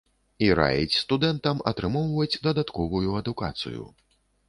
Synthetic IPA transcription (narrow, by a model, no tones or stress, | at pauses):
iɾa̰jḭt͡sʲst̪ud̪ɛnt̪ɐmɐt̪ɾɨmɔwvɐjut͡sʲd̪ɐd̪at̪kɔvujuɐd̪ukat̪sɨ̰jṵ